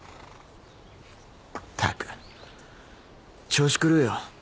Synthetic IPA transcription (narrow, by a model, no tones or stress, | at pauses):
t̪ʰa̰kɨ̥ | t͡ɕoːɕi̥kɯɾɯjo